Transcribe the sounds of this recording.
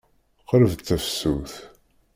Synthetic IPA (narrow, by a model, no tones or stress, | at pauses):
qːɾəvt͡s̪ːæfsːuθ